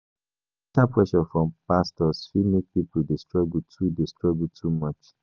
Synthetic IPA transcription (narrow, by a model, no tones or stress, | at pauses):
tapʰwɛʃɔfɹɔ̃mpastɔsfimek̚pipudestɹɔɡl̩tʰudestɹɔɡl̩tʰumʌt͡ʃ